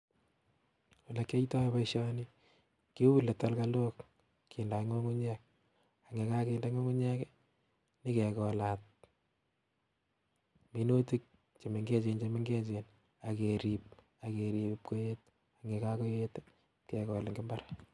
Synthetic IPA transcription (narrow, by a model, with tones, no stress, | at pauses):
wɔ˨la˨kːe˦itɔ˦pa˦iʃɔ˦ni | ki˦wu˦lːe˨ta˦lkalo˦k | ki˨nda˨ŋo˦ŋu˦ɲɛk̚ | a˨ŋe˨ka˦ke˦nda˦ŋo˦ŋu˦ɲɛ˦ke | ni˦ke˨kɔ˨la˨t̚ | mi˦no˦ti˦k̚ | t͡ʃe˨me˨ŋɡe˦t͡ʃent͡ʃeme˦ŋɡe˦t͡ʃe˨n | a˨ke˨ɾi˨p̚ | a˨ke˨ɾi˨p̚ko˦jet | a˨ŋe˨kako˦je˦t | ke˨kɔ˨le˨ŋɡɪ˦mba˦ɾa